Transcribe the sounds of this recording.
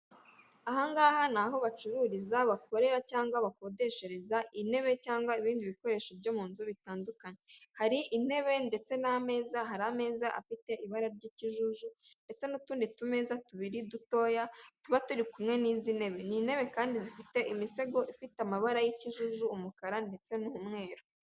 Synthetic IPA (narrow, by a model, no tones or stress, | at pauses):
aɦaŋɡaːhanaɦo̞βat͡ʃuɾuːɾizaβako̞ɾe̞ɾacaːŋɡwaβako̞ːde̞ʃe̞ɾe̞zaʔine̞βe̞caːŋɡwaiβiːndiβiko̞ɾe̞ːʃob̚ɟo̞muːnzuβitaːndukaɲe̞haɾiʔːne̞βe̞nde̞t͡se̞name̞ːzaɦaɾame̞ːzaʔa̰fite̞ʔiβaɾaɾɟiːciʒuʒue̞se̞nutuːnditume̞ːzatuβiɾiduto̞ːjatuβatuɾikumŋe̞niːzine̞βe̞niːne̞βe̞kaːndizifite̞ʔimise̞ɡo̞ʔifitamaβaɾajiciʒuʒuːmukaɾande̞t͡se̞nuumŋe̞ːɾo